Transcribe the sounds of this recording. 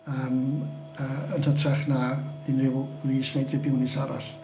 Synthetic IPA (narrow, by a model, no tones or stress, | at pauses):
əːm | əːənhətʰraχnaɪnrɪwliːsnejdrɪbɪwnɪsaɾa̰ɬ